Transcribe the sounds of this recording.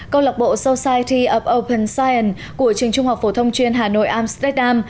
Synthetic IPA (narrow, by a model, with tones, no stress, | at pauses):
kə˧wla˨˩k͡p̚ɓo̰˧˨so˧saː˧jt̪i˧ʔə˨˩p̚ʔo˧wpʰə˧˩nsaː˧jʔə˨˩n | ku˧˩ət͡ɕɨ˨˩əŋt͡ɕʊ˧ŋ͡mha˨˩k͡p̚fo˧˩t̪ʰə˧wŋ͡mt͡ɕwi˧ənɦaː˨˩no̰˧˨jʔaː˧mst̪a˦˥ɗaː˧m